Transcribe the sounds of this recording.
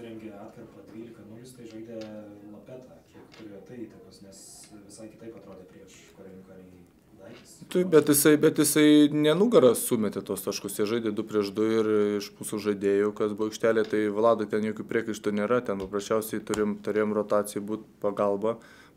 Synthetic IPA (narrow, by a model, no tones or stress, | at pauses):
ɾʲɛŋʲɡʲeɑːt̪kɐrpɐd̪ʲʋʲiːlʲɪkɐnʊʋʲɪskɐɪʒɐɪd̪ʲeːlˠopʲæːt̪ʰɐkʲiɛktʊɾʲit̪ɐiːt̪ɐkʊsnʲɛs | ʋʲɪsɐɪkʲɪt̪ɐɪpɐt̪ɾoːd̪ʲeːpʲɾʲiɛʃ | kɐɾʲɐɪnʲukɐɾʲɛɡʲɛ | d̪ɐɪɪst̪ʊɪbʲɛt̪jɪsɐɪbʲɛt̪jɪsɐɪnʲɛnuːɡɐɾɐsuːmʲɛt̪ʲet̪oːst̪ɑʃkʊsjɛʒɐɪd̪ʲeːd̪ʊpʲɾʲiɛʃd̪ʊɪrɪʃmuːsuʒɐɪd̪ʲeːjokɐsbʊoɐʊkʃʲt̪ʲæːlʲeːt̪ɐɪʋɐlˠɑːd̪oɪt̪ʲɛnjoːkʲuːpʲɾʲiɛkɐɪʃt̪ʊnʲeːɾɐt̪ʲɛnpɐprɐsʲt͡ʃʲɛʊsʲɛɪt̪ʊɾʲeɪjmt̪ʊɾʲeːjomrot̪ɑːt͡sʲɪjʊbuːt̪pɐɡɐlˠbɐ